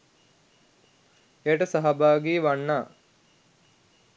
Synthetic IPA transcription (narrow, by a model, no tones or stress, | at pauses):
ejəʈəsaɦabaːɡiːʋanːaː